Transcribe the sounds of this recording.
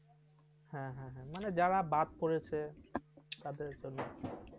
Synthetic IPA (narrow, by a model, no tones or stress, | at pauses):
ɦɛ̃ɦɛ̃ɦɛ̃maned͡ʑaɾabad̪̚poɾet͡ɕʰe | t̪ad̪eɾd͡ʑonːo